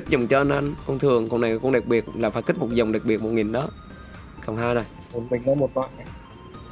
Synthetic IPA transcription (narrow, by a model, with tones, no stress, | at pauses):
i˦˥zə˨˩wŋ͡mt͡ɕɔ˧ʔa˧nʔa˧ŋkɔ˧ŋ͡mt̪ʰɨ˨˩əŋkɔ̰˧˩na˨˩jkʊ̰˧ŋ͡mɗaə˨˩k̚ɓi˨˩ət̚laː˨˩faː˨˩jki̟˦˥mo˨˩t̚zə˨˩wŋ͡mɗa˨˩k̚ɓi˨˩ət̚mo˨˩t̚ŋi˨˩nɗɔ˨˦ | ka˨˩wŋ͡mɦaː˧jna˨˩j | mu˨˧˩nɓï˨˩ŋ̟nəː˨˦jmo˨˩t̚la̰ː˧˨ja˨˩j